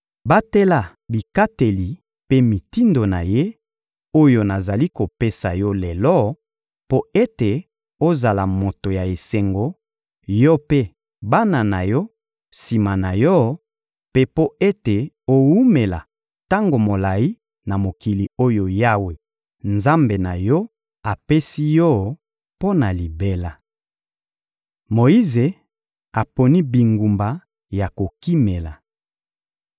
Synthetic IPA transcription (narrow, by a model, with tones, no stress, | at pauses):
ba˦te˦la˨ | bi˨ka˦te˨li˨ | pe˦mi˨ti˦ndo˨na̰˨je˦ | o˦jo˨na˨za˨li˦ko˨pe˦sa˨jɔ˦le˨lɔ˦ | po˦e˦te˨ | o˦za˨la˨mo˨to˨ja˨e˨se˨ŋɡo˨ | jɔ˦pe˦ | ba˦na˨na˨jɔ˦ | si˨ma˨na˨jɔ˦ | pe˦po˦e˦te˨ | o˨wu˦me˨la̰˨ | ta˦ŋɡo˨mo˨la˨ji˦ | na˨mo˨ki˨li˨o˦jo˨ja˦we˨ | nza˦mbe˨na˨jɔ˦ | a˨pe˦si˦jɔ˦ | po˦na˨li˨be˦la˨ | mo˨i˦ze˨ | a˨po˨ni˦bi˨ŋɡu˨mba˨ | ja˨ko˨ki˦me˨la˨